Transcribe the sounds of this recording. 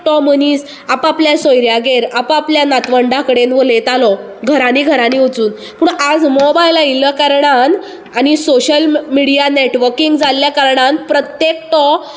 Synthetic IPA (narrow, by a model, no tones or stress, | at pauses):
ʈɔməniːs | apapljasojɾjaɡeɾapapljanat̪ʋəɳɖãkəɽenʋəlet̪alɔ | ɡʱəɾaniːɡʱəɾaniʋot͡suːn | puːɳad͡zmobajlailəkaɾɳan | anisoɕəlmiɽijaneʈʋəɾkiŋɡd͡zaljakaɾɳanpɾət̪jek̚ʈɔ